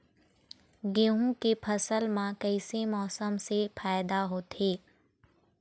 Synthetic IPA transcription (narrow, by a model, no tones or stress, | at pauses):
ɡeːɦũkepʰɐsəlmãkəɪsemɔːsəmsepʰaːɪd̪aɦoːt̪eː